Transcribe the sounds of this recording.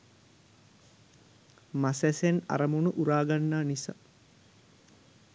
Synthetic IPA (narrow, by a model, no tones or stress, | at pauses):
masæsena̰ɾəmunuʔuɾaːɡanːaːnisa̰